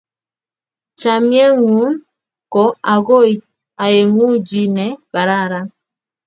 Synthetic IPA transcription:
t͡ʃa˨mjɛ˦ŋu˨˦n | kɔ˨˦a˨ɣo˦i˨ | a˨je˨ŋu˦d͡ʒi˦nɛ˨˦ka˨ɾa˦˨ɾa˦

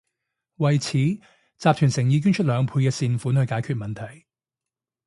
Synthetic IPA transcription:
wɐ˨jt͡sʰiː˨˥ | t͡saː˨p̚t̪ʰyː˨˩nsɪ˨˩ŋjiː˨˧k̬yː˥nt͡ʃʰɵ˥lœː˨˧ŋpʰuː˧jkɛː˧siː˨˧nfuː˨˥nhɵ˧jkaː˨˥jkʰyː˧t̚mɐ˨nt̪ʰɐ˨˩j

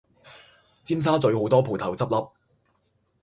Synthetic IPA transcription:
t͡siː˥ms̬aː˥t͡sɵ˨˧ɥho˨˥wt̪ɔː˥pʰuː˨˩t̪ʰɐ˨˩wt͡sɐ˥p̚lɐ˨˧p̚

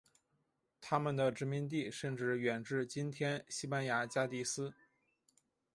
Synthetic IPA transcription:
t̪ʰa˥mə˨nd̪ə˩ʈ͡ʂɻ̩˧˥mi˧˥nt̪̬i˥˩ʂə˥˧nʈ͡ʂɻ̩˥˩ɥɛ˨˩nʈ͡ʂɻ̩˥˩t͡ɕi˥nt̪ʰjɛ˥nɕi˥pa˥nja˧˥t͡ɕja˥t̪i˥˩sɹ̩˥

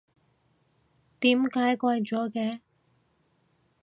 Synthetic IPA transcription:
t̪iː˨˥mkaː˨˥jkʷɐ˧jt͡sɔː˨˥kɛː˧

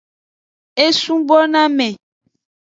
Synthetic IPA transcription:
e˦sũ˦bɔ˦nã˦mɛ̃˨

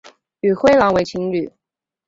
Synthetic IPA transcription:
ly˨˩xwe˥ɪlɑ˧˥ŋwe˧˥ɪt͡ɕʰi˧˥ŋly˨˩˦

